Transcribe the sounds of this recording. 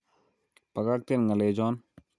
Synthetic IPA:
pɐɡak̚t̪enŋɐleːd͡ʒɔːn

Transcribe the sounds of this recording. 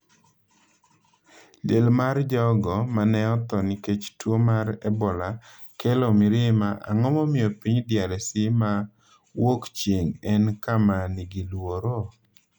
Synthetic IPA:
lelmard͡ʒɔɡɔmanɛɔt̪ɔniket͡ʃtwomaɾɛbɔla | kɛlɔmɪɾɪmaʔa̰ŋɔmɔmɪjɔpiɲdjaɾɛsɪma | wokt͡ʃjeŋɛnkamaniɡilwoɾo

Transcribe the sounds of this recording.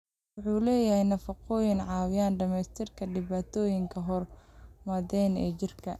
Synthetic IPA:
wʊħuːlɛːjɐhɛjnɐfɐqɔːjɪnʕɑːwɪjaːnɖɐmɛst̪ʰɪrkʰɐɖɪβaːt̪ʰɔːjɪŋkʰɐɦɔrmɐðɛːnɛ̰ːt͡ʃɪrkʰɐ̰

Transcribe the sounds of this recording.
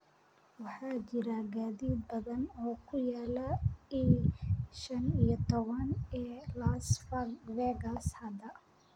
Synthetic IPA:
wɑħɑːt͡ʃɪɾaɡaːðiːd̪̚bɐðɐnɔːkʰʊjaːlɐi | ʃɐnijɔt̪ʰɔβɐnɛːlasfɡvɛɡɐshɐd̪ɐ

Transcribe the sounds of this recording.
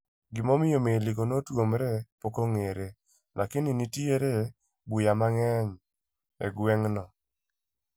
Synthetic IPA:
ɡɪmɔmɪjomeliɡonotwomɾɛpokoŋeɾe | nʔakɪninitieɾe | bujamaŋɛɲ | ḛɡwɛŋnɔ

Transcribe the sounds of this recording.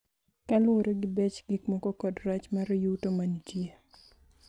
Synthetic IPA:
kaloɾoɡɪbɛt͡ʃɡikmɔkɔkɔdɾat͡ʃmaɾɔjutomanid͡ʒje

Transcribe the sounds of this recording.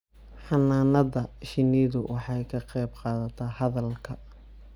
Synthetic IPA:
ħɑnaːnɐðɐʃɪniːðʊwʔɑħɑjkʰɐqɛjbqɑːðɐt̪ʰɐhɐðɐlkʰɐ

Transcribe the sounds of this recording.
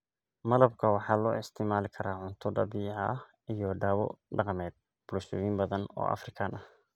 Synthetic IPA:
mɐlɐb̚kʰɐwɑħɑːlɔːɪst̪ʰɪmaːlɪkʰɐɾaːʕʊnt̪ʰɔɖɐbiːʕɑh | ijɔɖaːwɔ̰ɖɑqmɛːd̪̚ | b̥ʊlʃʊwiːmbɐðɐnɔ̰ːʔɐ̰frɪkʰaːnʔɐh

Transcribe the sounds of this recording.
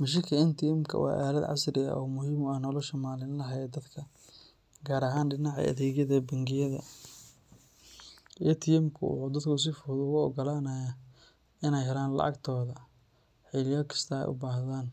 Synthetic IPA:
mɐʃ̬ɪkʰɐɪnt̪ʰɪjɛmkʰɐ̰wɑ̰ːʔaːlɐd̪ʕɑ̰srɪɐ̰ʔɔ̰ːmʊɦiːmʊaːnɔːlɔʃɐmaːlɪnlɐɦɐɛd̪ɐd̪kʰɐ | ɡaːɾɐɦaːnɖɪnɑʕɐ̰ʔɐ̰ðɛːɣjɐðɐbɐŋɡɪjɐðɐ̰ | ijt̪ʰɪjɛmkʰʊ̰ʊ̰d̪ɐd̪kʰʊʊs̬ɪfʊɾd̪ʊɣʊɔɡɔlaːnɐja | ɪnɛjɦɛlaːnlɐ̰ʔɐ̰ɡt̪ʰɔːðɐ | ħɪlɪjɔːkʰɐ̥st̪ʰɐɛ̰jʔʊ̰baːhðaːn

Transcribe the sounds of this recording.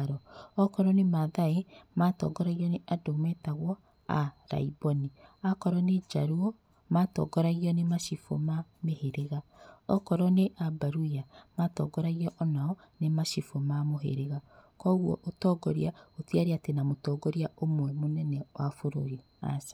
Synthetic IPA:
ɾɔɔkɔɾɔnemaðaematɔ̰ːɡɔɾaɣiɔneʔadomɛtaɣwɔ | a̰ɾa̰ibɔniakɔɾɔned͡ʒaɾuɔ | matɔ̰ɡɔɾaɣiɔnemaʃifo̰mameheɾeɣaɔkɔɾɔneʔabaɾujamatɔ̰ɡɔɾaɣiɔʔɔnaɔ | nemaʃifomamoɦḛɾeɣakɔɣwɔʔotɔɡɔɾiaotiaɾeatenamotɔːɡɔɾiaomwɛmonɛnɛwafoɾoɾi | a̰sḁ

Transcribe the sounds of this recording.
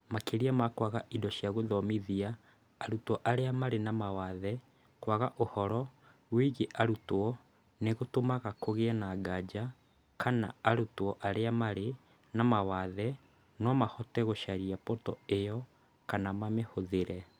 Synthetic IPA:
makeɾiamakwaɣaʔidɔʃjaɣoðɔmiðiaː | ɾutɔʔaɾeamaɾenamawaðɛ | kwaɣaʔohɔɾɔ | wiɣeʔaɾutwɔ | neɣotomaɣakoɣeɛnaɡad͡ʒa | kʰana̰aɾutwɔʔaɾeamaɾe | namawaðɛ | nɔmahɔtɛɣoʃaɾiapɔtɔejɔ | kanamamehoðeɾɛ

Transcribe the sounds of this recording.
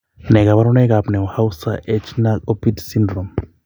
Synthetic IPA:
nɛkaβaɾunɛk̬ʼapnɛhausaʔɛt͡ʃʰnakopitsindrɔm

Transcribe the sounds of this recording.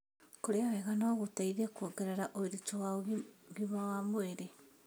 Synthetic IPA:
koɾeawɛɣanɔɣotaiðekuoɡeɾeɾaʔoiɾit͡ʃɔwaoɣiɡimawamoeɾe

